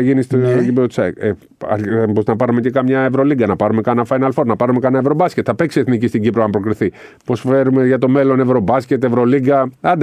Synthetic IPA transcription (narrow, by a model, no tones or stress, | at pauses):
ʝinist̪ooɟipeɾot̪sɐke | ɐ̰ɾboznɐpɐɾumecekɐmɲɐevɾo̞liɡɐnɐpɐɾumekɐnɐfɐjnɐlfo̞ɾnɐpɐɾumekɐnɐevɾo̞bɐscet̪θɐpeksieθnicist̪iɟipɾoɐmpɾo̞kɾiθi | po̞sfe̞ɾume̞ʝɐt̪o̞me̞lo̞ne̞vɾo̞bɐscʲe̞t̪e̞vɾo̞liɡɐɐnd̪